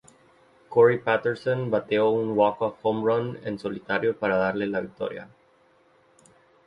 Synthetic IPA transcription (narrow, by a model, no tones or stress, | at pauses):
koɾipat̪eɾsõnbat̪eouŋwakoakomɾonḛnso̞lit̪aɾjopaɾaðaɾlelaβik̚t̪o̞̰ɾja̰